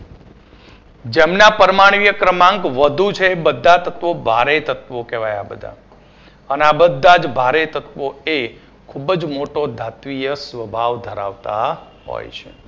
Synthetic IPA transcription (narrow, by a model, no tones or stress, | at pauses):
d͡ʒemnapəɾmaɳ̃ʋijəkɾəmãŋɡʋəd̪ʱut͡ʃʰeːbəd̪ʱːat̪ət̪ʋobʱaɾet̪ət̪ʋokɛʋajabəd̪ʱa̰ | əneabəd̪ʱːad͡ʒbʱaɾet̪ət̪ʋoe | kʰubd͡ʒmoʈod̪ʱat̪ʋijəsʋəbʱaʋd̪ʱəɾa̰ʋt̪a | ɦɔ̰jt͡ʃʰe